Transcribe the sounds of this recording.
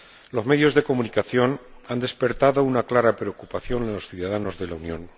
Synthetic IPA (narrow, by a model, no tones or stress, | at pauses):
lo̞zme̞ðjo̞zðeko̞munikaθjo̞nand̪e̞spe̞ɾt̪aðo̞unaklaɾapɾe̞o̞kupaθjo̞nosθjuðaðano̞zðe̞launjõ̞̰n